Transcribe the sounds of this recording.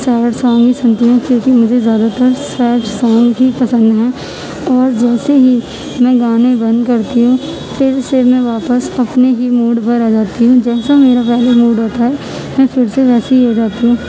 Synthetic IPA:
sɛːʈsãːŋɡɦisɐ̃nt̪iɦɛ̃kjõːkimʊd͡ʒʱezjaːd̪at̪əɾsɛːʈsãːŋɡɦipɐsə̃nd̪ɦɛ̃ː | ɔːɾd͡ʒɛːseɦi | mɛ̃ɡaːnẽbɐ̃nd̪kɐɾt̪iɦũ | fʰɪɾsemɛ̃ʋaːpəsɐpneɦimuːɖpɐɾad͡ʒaːt̪iɦũd͡ʒɛːsameːɾapɛɦlemuːɖɦoːt̪aɦɛ | mɛ̃pʰɪɾseʋɛːseioːd͡ʒaːt̪iɦũː

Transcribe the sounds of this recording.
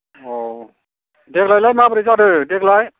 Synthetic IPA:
ɔ | deklajlajmapɾisaɾɯdeklaj

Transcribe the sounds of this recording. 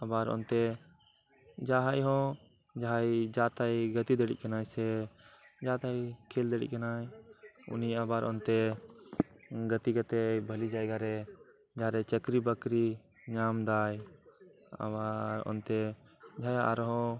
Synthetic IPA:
abaɾɔ̰nt̪ɛ | d͡ʒaɦajɦɔ̃ | d͡ʒaɦajd͡ʒat̪ajɡət̪id̪əɽḭc̚kanajsɛ | d͡ʒat̪ajkʰɛld̪əɽḭc̚kanajṵniabaɾʔɔnt̪ɛ | ɡət̪iɡat̪ɛbʱəlid͡ʒajɡaɾɛ | d͡ʒaɦaɾɛt͡ʃəkɾibəkɾi | ɲamd̪aj | a̰baɾɔ̰nt̪ɛd͡ʒʱaja̰ʔaɾɦɔ̃

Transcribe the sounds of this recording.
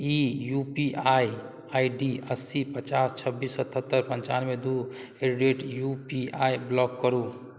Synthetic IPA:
ijupiaj | aiɖiəsipət͡ʃast͡ʃʰəbːisːət̪ʰət̪ːəɾpə̃ɲt͡ʃanmed̪u | eɾɖeʈjupiajblɔkːəɾu

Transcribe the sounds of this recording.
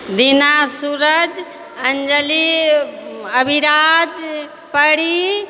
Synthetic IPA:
d̪inasuɾəd͡ʒ | ənd͡ʒəli | əbʱiɾad͡ʒ | pəɽi

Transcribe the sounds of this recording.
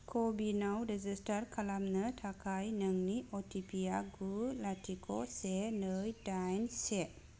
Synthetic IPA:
kʰɔbinawɾɛzistaɾkʰalamnətʰakʰajnəŋniɔtʰipʰijaɡulatʰikʰɔ̰senəjdajnse

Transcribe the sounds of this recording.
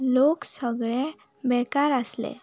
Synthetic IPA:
loksəɡɭẽ | bɛkaɾəslḛ

